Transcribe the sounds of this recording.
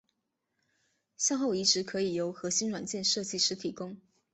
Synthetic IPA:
ɕjɑ˥˧ŋxo˥˩ʊi˧˥ʈ͡ʂɻ̩˧˥kʰɤ˧˥i˨˩jo˧˥ʊxɤ˧˥ɕi˥nwa˨˩nt͡ɕjɛ˥˧nʂɤ˥˧t͡ɕi˥˩ʂɻ̩˧˥t̪ʰi˨˩kʊ˥ŋ

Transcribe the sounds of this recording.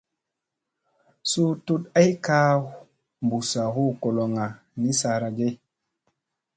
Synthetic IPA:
su˦tu˦ta˦jka˦ | mbu˨sa˨hu˦ko˨lo˨ŋa˨ | ni˦sa˨ɾa˨ɡe˦

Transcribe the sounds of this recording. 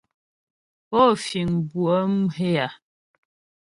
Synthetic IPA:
pɔ˦fi˨ŋbwə˦m˦ɦe˦a˨

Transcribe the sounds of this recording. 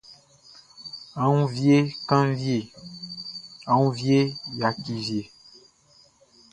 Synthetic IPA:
a˨ŋũ˦vje˦kã˦n˦vje˨ | ã˨ŋũ˦vje˦ja˨ki˨vje˨

